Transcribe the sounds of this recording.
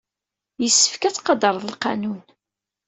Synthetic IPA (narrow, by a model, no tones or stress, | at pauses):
jəsːə̥fkæt͡sːqɑd̪əɾˤðˤəlqɑ̰nun